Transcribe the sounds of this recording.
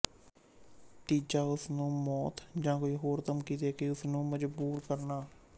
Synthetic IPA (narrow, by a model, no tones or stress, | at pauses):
t̪iːd͡ʒaːʊsnũːmɔːt̪d͡ʒãːkoːiːɦoːɾt̪əmkiːt̪eɛːkɪʊsnũːməd͡ʒbuːɾkəɾnaː